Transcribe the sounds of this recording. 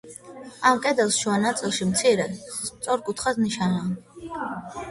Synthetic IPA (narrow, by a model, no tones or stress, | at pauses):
amkʼɛd̪ɛlˠsʃuanat̪sʼilˠʃimt̪sʰiɾɛst̪sʼɔɾkʼut̪ʰχasniʃanaːn